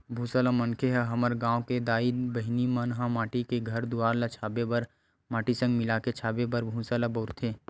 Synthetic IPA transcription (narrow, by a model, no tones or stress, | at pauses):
bʱũːsalamənkʰeɦɛɦɐməɾɡãːoked̪aːid̪bɐɦɪnimənɦãmaːʈikeɡʱɐɾd̪ʊaːɾlat͡ʃʰaːbebəɾ | maːʈisə̃ŋɡmɪlaːket͡ʃʰaːbebəɾbʱũsalaboːɾt̪ʰẽː